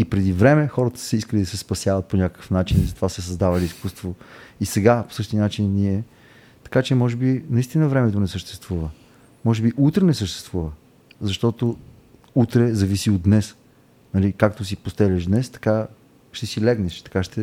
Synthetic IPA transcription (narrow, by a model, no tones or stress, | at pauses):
ipɾɛd̪ivɾɛmɛxɔɾət̪ə̥sɛiskəlid̪ɐsɛspɐsʲjavət̪̚poɲʲakəkəfnat͡ʃinizɐt̪ovasɛs̬ɐzd̪avɐliiskust̪voisɛɡapo̥sɤʃt̪inat͡ʃinːiɛ | t̪ɐ̥kat͡ʃɛmɔʒɛbinɐist̪inəvɾɛmɛt̪onɛsəʃt̪ɛ̥st̪vuvə | mɔʒɛbiʔut̪ɾɛnɛsəʃt̪ɛ̥st̪vuvə | zɐʃt̪ɔt̪o | ut̪ɾɛzɐvisiod̪nɛs | nɐlikakt̪os̬ipost̪ɛlʲəʒd̪nɛst̪ɐ̥ka | ʃt̪ɛsilɛɡnɛʃt̪ɐ̥kaʃt̪ɛ